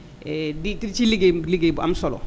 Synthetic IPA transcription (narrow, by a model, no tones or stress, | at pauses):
edit̪iɾit͡ʃiliɡeliɡeba̰msɔlɔ̰